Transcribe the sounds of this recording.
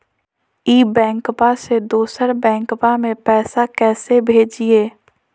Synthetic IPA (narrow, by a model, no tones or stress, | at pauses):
iːbɛ̃ːŋkpased̪oːsəɾbɛ̃ːŋkpamẽpɛːsakɛːsebʱeːd͡ʒieː